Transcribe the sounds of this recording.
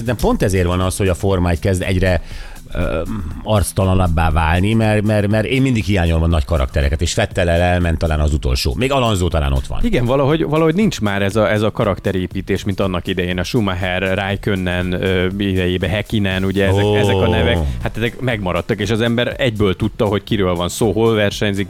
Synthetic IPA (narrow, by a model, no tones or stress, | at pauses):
sint̪ɛmpo̞nt̪ɛzeːrvɒnɒsho̞ɟɒfo̞rmaɛckɛzd̪ɛ̰ɟrɛ | ɒrt̪st̪ɒlɒnɒbːaːvaːlnimɛrmɛrmɛɾeːmmind̪ikhijaːɲolomɒnɒɟkɒɾɒ̰kt̪ɛɾɛkɛt̪eːʃfɛt̪ːɛlɛlɛlmɛnt̪ːɒlaːnɒzut̪o̞̰lʃo̰ːmeːɡɒlɒnzoːt̪ɒla̰ːno̞̰t̪ʋɒ̰niɡɛɱvɒlɒɦo̞ɟvɒlɒho̞ɟnint͡ʃmaːɾɛzɒɛzɒkɒɾɒkt̪ɛɾeːpiːt̪eːʃmint̪ɒnːɒkid̪ɛjeːnɒʃumaɦɛrːaːjkønːɛnøid̪ɛjeːbɛɦɛkinɛnuɟɛɛzɛkɛzɛkɒnɛvɛkhat̪ɛzɛkmɛɡmɒɾɒt̪ːɒkeːʃɒzɛmbɛɾɛɟbøːlt̪ut̪ːɒɦo̞ckiɾøːlvɒnsoːɦolvɛrʃɛɲzik